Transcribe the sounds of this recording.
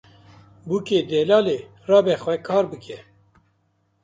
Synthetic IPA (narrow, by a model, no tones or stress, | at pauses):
buːkeːd̪ɛːlɑːleː | rɑːbɛxwɛkʰɑːɾbɨkʰɛ